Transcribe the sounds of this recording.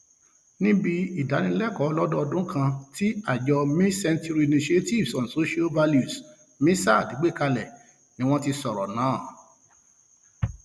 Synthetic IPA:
nĩ˦bi˧i˦˨da˨˦nĩ˧lɛ˦˨kɔ˨˦lɔ˦dɔ˦ɔ˧dũ˦kʰã˧ti˦a˦˨d͡ʒɔ˧mĩ˦sɛ˧ntu˦ɾi˦˧nĩ˧ʃi˦e˦ti˦˨vsɔ̃˨n̩˨so˦ʃi˦a˦lva˧lju˨s | mĩ˦sa˦˨di˨˦ɡ͡be˦˨ka˧lɛ˨ | nĩ˨˦w̃ɔ̃˧ti˧sɔ˨ɾɔ˨nãː˨˦˨

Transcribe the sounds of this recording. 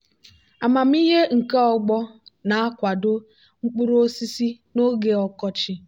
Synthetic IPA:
a˨ma˨m̩˦i˦ɦe˦ŋ̩˨ke˦ɔ˨ɡ͡bɔ˦na˨a˦kʷa˨dʊ˦ | ŋ͡m̩˦k͡pu˦ɾo˦si˦si˦ | no˦ɡe˨ɔ˦kɔ˦t͡ʃɪ˦

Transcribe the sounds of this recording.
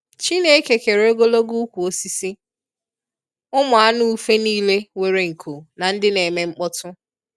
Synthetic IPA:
t͡ʃi˦ne˦e˦ke˨ke˨ɾo˦ɡo˦lo˦ɡu˦kʷu˨o˦si˦si˦ | ʊ˦mʊ˨a˦nu˦u˦fe˦niː˦le˦we˨ɾe˨ŋ̩˨kʰu˨na˨n̩˦dɪ˦ne˨me˦ŋ͡m̩˦k͡pɔ˦tʊ˦

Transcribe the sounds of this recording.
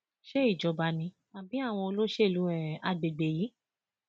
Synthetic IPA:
ʃe˦i˦˨d͡ʒɔ˧ba˧nĩ˧ | a˨bi˨˦a˦˨w̃ɔ̃˧o˧lo˦ʃe˦˨lu˨˦ɛ̃˨a˧ɡ͡be˨ɡ͡be˧ji˨˦

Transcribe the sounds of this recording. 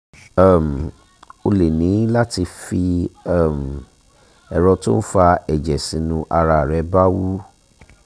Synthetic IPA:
m̩˨ | o˧le˨nĩ˨˦la˦ti˧fi˧a˦˨m̩˨ | ɛ˨ɾɔ˧tũ˦n̩˦fa˧ɛ˨d͡ʒɛ˨sĩ˨˦nũ˧ʔa˧ɾa˧˨ɾɛ˨˦ba˦wu˦

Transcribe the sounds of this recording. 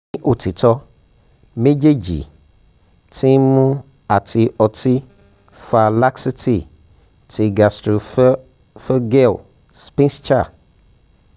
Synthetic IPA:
ʔo˨t̪ʰi˨t̪ɔ˦ | me˦d͡ʒe˦d͡ʒḭ˨ | tʰĩ˦mũ˦ | a˨tʰi˨ʔɔ˨tʰi˦ | fa˨la˦ksi˦tʰi˨ | tʰi˨ɡa˨stɾo˨˦ | fə˦ɡɛ˦˨l | spĩ˦st͡ʃa˦˨

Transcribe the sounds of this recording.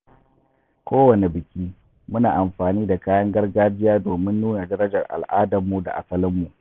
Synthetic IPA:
kʷoː˦wɐ˨ne˨bɪ˨kʲiː˦ | mʊ˦naː˨ʔa˨mɸaː˨niː˦da˨kaː˦jɐ˦ŋɡɐ˦rɡaː˦d͡ʒɪ˦jaː˦doː˨mɪ˦nːuː˦na˨dɐ˦ɾɐ˦d͡ʒɐ˨rʔa̰˨lʔaː˦dɐ˨mːu˨da̰˨ʔa̰˨sɐ˦lɪ˦mːu˨ʔ

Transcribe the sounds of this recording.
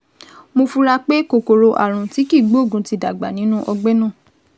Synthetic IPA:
mo˧fu˧ɾa˧k͡pe˦ko˨ko˨ɾo˧ʔa̰˨ɾ̃ũ˨ti˨˦ki˦˨ɡ͡bo˦˨ɡũ˨˦ti˧˦da˨ɡ͡ba˨nĩ˨˦nũ˦ʔɔ˧ɡ͡bɛ˦nã˦˨

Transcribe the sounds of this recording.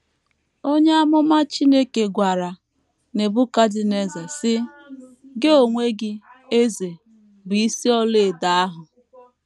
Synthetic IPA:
o˦ɲe˦a˦mʊ˦ma˦t͡ʃi˦ne˦ke˨ɡʷa˨ɾa˨ | ne˨bʊ˦ka˦dɪ˨ne˦ze˨sɪ˦ | ɡe˦o˨ŋʷe˦ɡɪ˦e˦ze˨ | bʊ˨i˦si˦ɔ˦le˦˨da˦a˦ɦʊ˨

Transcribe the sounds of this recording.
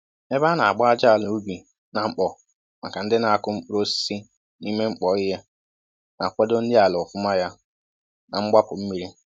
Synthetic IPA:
e˦ba˦na˨a̰˨ɡ͡ba˦a˦d͡ʒa˦a˨lʊ˨u˦bi˨ | na˨ŋ͡m̩˦k͡pɔ˨ | ma̰˨ka˨n̩˦dɪ˦na˨a˨kʊ˦ŋ͡m̩˦k͡pu˦ɾo˦ssi˦ | ni˦me˦ŋ͡m̩˦k͡pɔ˨˦i˦ɦe˦ | na˨kʷe˦do˦n̩˦dɪ˦a˨lɔ˨fʊ˦ma˦ja˦ | na˨ŋ͡m̩˦ɡ͡ba˦pʊ˨m̩˦mi˨ɾi˦

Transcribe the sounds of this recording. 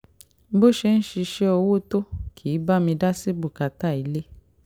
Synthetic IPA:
bo˦ʃe˧n̩˦ʃi˧ʃe˦o˧wo˦to˦kʰi˨˦ba˦mĩ˧da˦si˦bu˦˨ka˨ta˦˨i˨˦le˦

